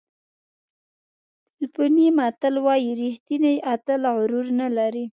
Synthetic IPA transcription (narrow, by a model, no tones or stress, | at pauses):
lpunimat̪əlwɑjiɾiht̪inajʔat̪əlʕʊɾuɾnalaɾi